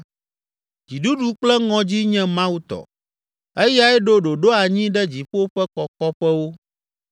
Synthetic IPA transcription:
d͡ʑi˨ɖu˦ɖu˦k͡plɛ˦ŋɔ̃˨d͡ʑi˦ɲɛ̃˦mã˦wu˦t̪ɔ̰˨ | ɛ˦ja˦ɛ˦ɖo˦ɖo˨ɖo˦a˨ɲĩ˦ɖɛ˦d͡ʑi˨ɸo˦ɸɛ˦kɔ˨kɔ˦ɸɛ˦wo˦

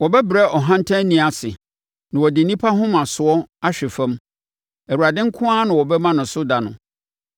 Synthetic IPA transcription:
wɔ˨bɛ˦bɾɛ˦ʔɔ˨ɦã˦n̩˦tʰã˦nĩ˨a˨sɪ˨ | nã˨wɔ˨dɪ˨n̩˨nĩ˦pʰa˦ɦʊ̃˦mã˨sʊ˨ɔ˦a˦ɕᶣɪ˨fɛ̃˦m | ɛ˨wu˨ɾa˨dɪ̃˦ŋ̩˦kʰʊ̃˦a˦nã˨wɔ˨bɛ˦mã˦nʊ̃˨sʊ˦da˨nʊ̰̃˨

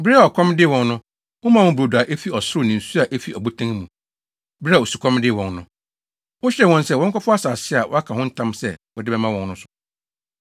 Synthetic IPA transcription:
bɾa˨ɔ˨kʰɔ̃˦mdɪ˦˨wɔ̃˨nnʊ̃˦ | wʊ̃˦mã˦wʊ̃˦bɾo˨da˨ʔe˦fi˦ɔ˨sʊ˦ɾʊ˦˨nĩ˨n̩˨su˦a˨ʔæ˦fi˨ʔɔ˨bu˦tʰã˦ŋmũ˨ | bɾa˦˨o˨su˨kʰɔ̃˦m˦dɪ˦˨wɔ̃˨nnʊ̃˦ | wʊ̃˦ɕɛ˦˨wɔ̃˦nsɛ˦˨wɔ̃˦ŋ˦kʰa˦fʊ˦a˦saː˨sɪ˦a˨wʔɔ̰˦a˦kʰa˨hʊ̃˦n̩˦tʰã˦msɛ˦wɔ˨dɪ˦bɛ˦mã˦wɔ̃˨nnʊ̃˦sʊ̥˨

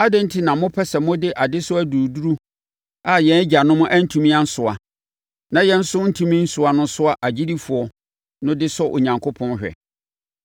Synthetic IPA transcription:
a˦dɪ̃˦n̩˦tʰi˦nã˨mʊ̃˦pʰɛ˦sɛ˨mʊ̃˦dɪ˦ʔa˨dɪ˦sʊ˦æ˦duː˨du˦ɾu˦ | a˦˨jɛ̃˨˦d͡ʑa˨nʊ̃˦mʊ̃˦ʔæ˦n̩˦tʰũ˦mĩ˦a˦n̩˦sʊ˨a̰˨ | nã˨jɛ̃˦n̩˦sʊ˦n̩˦tʰũ˦mĩ˦n̩˦sʊ˨a˨nʊ̃˦sʊ˦a˦ʔa˨d͡ʑi˦di˦fʊ˨ɔ˦ | nʊ̃˦dɪ˦sɔ˦ʔo˨ɲã˨ŋkʰo˦pʰɔ̃˦nɕᶣɛ̰˨

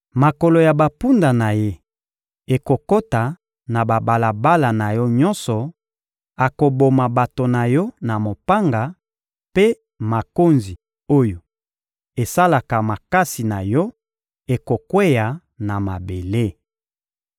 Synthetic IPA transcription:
ma˨ko˨lo˨ja˨ba˨pu˦nda˨na˨je˦ | e˨ko˨ko˦ta˨ | na˨ba˨ba˨la˨ba˦la˨na˨jɔ˦ɲɔ˦nsɔ˨ | a˨ko˨bo˨ma˨ba˨to˨na˨jɔ˦na˨mo˨pa˦ŋɡa˨ | pe˦ | ma˨ko˦nzi˨ | o˦jo˨ | e˨sa˦la˨ka˨ma˨ka˦si˨na˨jɔ˦ | e˨ko˨kwe˦ja˨ | na˨ma˨be˨le˦

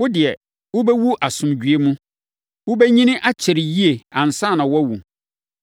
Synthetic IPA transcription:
wʊ˦dɪ˨ɛ˨ | wʊ˦bɛ˦wu˦ʔa˨sʊ̃˨md͡ʑᶣɥe˦mũ˦ | wʊ˦bɛ˦ɲĩ˦nɪ̃˦ʔa˦t͡ɕʰɪ˨ɾɪ˨ji˦e˨ã˨n̩˨sã˦˨nã˨wɔ˦wu˨

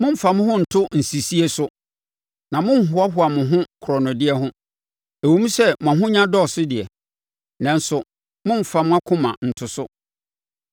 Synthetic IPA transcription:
mʊ̃˦m̩˨fa˨m̃˦hʊ̃˦n̩˨tʰʊ˦n̩˨si˨si˦e˦sʊ˦ | nã˨mʊ̃˦m̩˨ɦʊ˦a˦ɦʊ˨˦a˨mʊ̃˨ɦʊ̃˦kʰʊ˨ɾɔ˨nʊ̃˨dɪ˦ɛ˦ɦʊ̃˦ | æ˨wo˨mũ˦sɛ˦mʊ̃˨ã˨ɦʊ̃˦ɲã˦dɔ˦˨sʊ˦dɪ˨ɛ˨ | nɛ̃˨n̩˦sʊ˨ | mʊ̃˦m̩˨fa˨mʊ̃˦a˦kʰʊ̃˦mã̰˨n̩˨tʰʊ˨sʊ˦

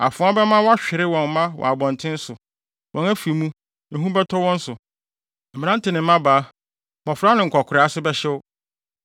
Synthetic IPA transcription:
a̰˨fʊ̃˨˦a˦bɛ˦mã˦wɔ˦a˦ɕᶣɪ˨ɾɪ˦wɔ̃˨n˦mã˦wɔ̰˨a˨bɔ̃˨n˨tʰɪ̃˦n̩˦sʊ˨ | wʔɔ̃˨næ˦fi˨˦mũ˦ | ɛ̃˨ɦũ˦bɛ˦tʰɔ˦wɔ̃˦n̩˦sʊ˨ | m̩˨ĩ˨n˦ã˦n̩˦tʰɪ˨nɪ̃˨m̩˦mã˦baː˨˦ | mɔ˨fɾa˦nɪ̃˨ŋ̩˨kʰɔ˨kʰʊ˨ɾɪ˨˦a˦sʊ˦bɛ˦ɕɛ˦wʊ˦

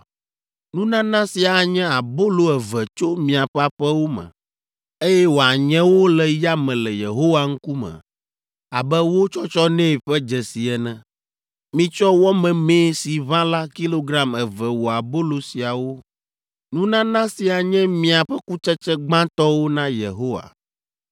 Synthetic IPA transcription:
nũ˦nã˦nã˦si˨a˨ɲɛ̃˦a˨bo˦lo˦ɛ˨vɛ˨t͡ʃo˦mĩ˨a˨ɸɛ˦a˨ɸɛ˦wo˦mɛ̰̃˨ | e˦jɛ˦wo˨a˨ɲɛ̃˦wo˦lɛ˨ja˦mɛ̃˨lɛ˨jḛ˨ɦo˦wa˦ŋ̩˦ku˦mɛ̰̃˨ | a̰˨bɛ˦wo˦t͡ʃɔ˦t͡ʃɔ˦nɛ̃˦˨ɸɛ˦d͡ʒɛ˨si˨ɛ˨nɛ̃˨ | mĩ˦t͡ʃɔ˦wɔ˦mɛ̃˨meː˦si˨βã˦la˦ki˦lo˦ɡɾa˦mɛ˨vɛ˨wo˨a˨bo˦lo˨si˨a˨wo˦ | nũ˦nã˦nã˦si˨a˨ɲɛ̃˦mĩ˨a˨ɸɛ˦ku˦t͡ʃɛ˦t͡ʃɛ˦ɡ͡bã˦t̪ɔ˦wo˦nã˦jḛ˨ɦo˦wa̰˨

